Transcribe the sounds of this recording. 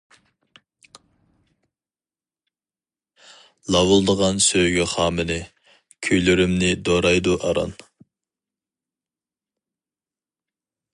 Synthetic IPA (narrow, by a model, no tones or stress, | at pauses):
lˠɑwulˠd̪əʁɑnsøɡʲyχɑːmɨnɪ | kʲʰøjlyɾymnɪd̪oɾɑjd̪uʔɑɾɑ̰n